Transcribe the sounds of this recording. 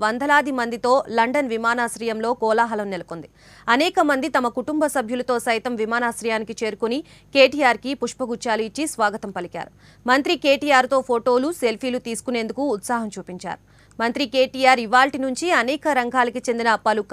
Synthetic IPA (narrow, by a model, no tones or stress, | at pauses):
ʋɐnd̪ʱɐlaːd̪imɐnd̪it̪o̞ːlɐɳɖɐnʋimaːnaːsɾɐjɐmlo̞ːkɔːlaːɦɐlɐmnelɐkond̪i | ɐnɛːkɐmɐnd̪it̪ɐmɐkuʈumbɐsɐbʱjulɐt̪o̞ːsɐjt̪ɐmʋimaːnaːsɾɐjaːnikit͡ʃe̞ːɾukuni | keːʈiːjaːɾkipuʂpɐɡut͡ʃːaːluit͡ʃːisʋaːɡɐt̪ɐmpɐlika̰ːɾu | mɐnt̪ɾike̞ːʈiːjaːɾt̪o̞ːpʰoːʈo̞ːluse̞lpʰiːlut̪iːsu̥kune̞ːnd̪ukuːt̪saːɦɐmt͡ʃuːpiɲt͡ʃa̰ːɾu | mɐnt̪ɾike̞ːʈiːjaːɾiʋaːlʈinuɲt͡ʃiɐnɛːkɐɾɐŋɡʱaːlɐkit͡ʃend̪inɐpɐluk